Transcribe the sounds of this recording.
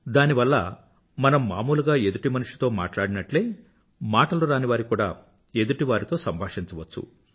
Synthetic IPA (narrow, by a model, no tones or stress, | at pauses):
d̪aːniʋɐlːɐ̰ | mɐnɐmːaːmuːluɡaːe̞d̪uʈimɐnuʂi̥t̪o̞ːma̰ːʈlaːɽinɐʈleː | maːʈɐluɾaːniʋaːɾikuːɽa̰ː | e̞d̪uʈiʋaːɾit̪o̞ːsɐmbʱaːʂint͡ʃɐʋɐt͡ʃːṵ